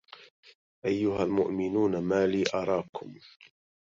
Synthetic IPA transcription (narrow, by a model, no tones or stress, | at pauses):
ʔajːʊɦalmʊʔmɪnuːnamaːliːʔɑɾˤɑːkʰʊm